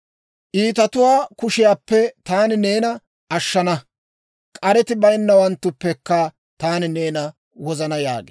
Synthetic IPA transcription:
ʔiːt̪ɐt̪ʊwaːkʊʃɪjaːpːɛt̪aːnɪne̞ːnɐ | ʔɐʃːɐnɐ | kʼɐɾɛt̪ɪbɐjnːɐwɐnt̪ːʊpːɛkːɐ | t̪aːnɪne̞ːnɐ | wɔzɐnɐja̰ːɡḛː

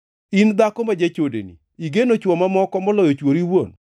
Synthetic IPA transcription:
ind̪akɔmad͡ʒet͡ʃodḛnḭ | iɡenot͡ʃwɔmamɔkɔmɔlɔjɔt͡ʃwoɾiwon

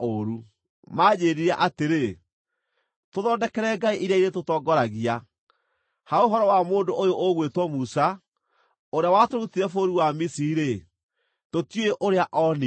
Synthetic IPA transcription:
oɾu | maːd͡ʑeːɾiɾaʔateɾe | toðɔːndɛkɛɾɛɡaiʔiɾeaiɾetotɔːɡɔɾaɣia | haoɦɔɾɔwamoːndoʔojoʔoɣwetwɔmusa | oɾeawatoɾutiɾɛfoɾiwamisiiɾe | totweʔoɾeaʔɔni

